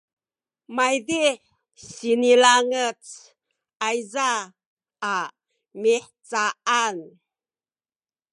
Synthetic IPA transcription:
majdiħ | sinilaŋət͡s | ajzaː | miħt͡saʔan

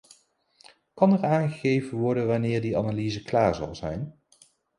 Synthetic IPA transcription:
kɑnɛɹaːnχəχejvənʋɔɹdənʋanɪːɹdianalizəklaːɹzɑ̰lˠzɛ̰jn

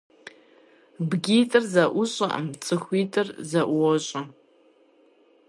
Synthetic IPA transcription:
bɡʲiːtʼɨrzɐʔʷʊɕʼɐʔɐ̰mt͡sʼɨxʷiːtʼɨrzɐʔʷʊwɔɕʼɐ

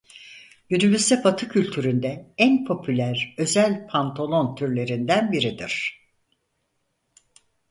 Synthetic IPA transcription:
jynybyst̪ɛpʰat̪ʰɯcʰylʲt̪ʰyɾynd̪ɛænpʰo̞pʰylʲæɾø̞zælʲpʰant̪ʰolˠo̞nt̪ʰyɾlʲe̞ɾind̪ænbiɾid̪iɾ̥

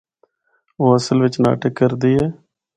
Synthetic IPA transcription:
oːəsəlʋɪt͡ʃna̰ːʈəkːəɾd̪iːɛː

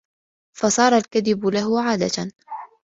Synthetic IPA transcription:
fɑsˤɑːɾˤɑlkaðɪbʊlaɦʊʕaːd̪a̰t̪a

